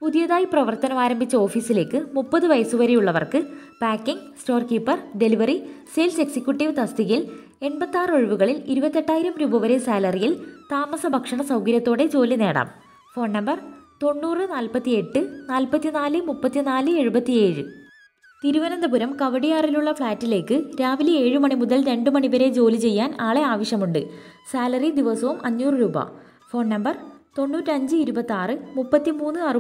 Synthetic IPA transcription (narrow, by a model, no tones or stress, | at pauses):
puðijɐðaːjiprɐʋɐrt̪ɐnɐmaːɾɐmbʱit͡ɕːɐo̞ːfiːsile̞ːkːɨmupːɐðɨʋɐjɐsuʋɐɾejuɭːɐʋɐ̰rkɨpaːkːiŋɡsʈo̞ːrkiːpːɐrɖe̞liʋɐriselse̞ksikʲjuʈːiʋt̪ɐst̪iɣil | e̞nbɐt̪ːaːroɻiʋuɣɐɭiliɾubɐt̪ːe̞ʈːaːjiɾɐmɾuːbɐʋɐɾesaːlɐrijilt̪aːmɐsɐbʱɐkʂɐɳɐsɐwkɐɾjɐt̪ːo̞ːɽe̞t͡ɕo̞ːline̞ːɽa̰ːm | fo̞ːnːɐmbɐrt̪o̞ɳːuːrɨnaːlpɐt̪ːie̞ʈːɨnaːlpɐt̪ːinaːlɨmupːɐt̪ːinaːlɨe̞ɻubɐt̪ːie̞ːɻɨ | t̪iɾuʋɐnɐnd̪ɐbuɾɐmkɐʋɐɽijaːriluɭːɐfɭaːtːile̞ːkːɨɾaːʋilie̞ːɻɨmɐɳimuðɐlɾe̞ɳɖɨmɐɳibɐɾe̞t͡ɕo̞ːlit͡ɕe̞jːaːnaːɭe̞aːʋɐɕjɐmuɳɖɨ̰saːlɐrid̪iʋɐsɐʋumɐɲːuːrɨɾuːbɐ̰ | fo̞ːɳːɐmbɐrt̪o̞ɳːuːtːɨɐɲd͡ʑɨiɾubɐt̪ːaːrɨmupːɐt̪ːimuːnːɨɐr